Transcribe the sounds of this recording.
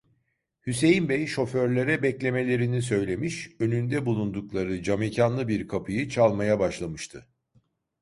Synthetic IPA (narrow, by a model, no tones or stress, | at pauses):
hyse̞jinbɛjʃo̞føɾlʲeɾɛbɛclʲe̞me̞lʲe̞ɾinis̬ø̞jlʲe̞miʃø̞nynd̪ɛbulˠund̪uklˠaɾɯd͡ʒamecʰanlˠɯbiɾkʰapʰɯjɯt͡ʃʰalˠmajabaʃlˠamɯʃt̪ʰɯ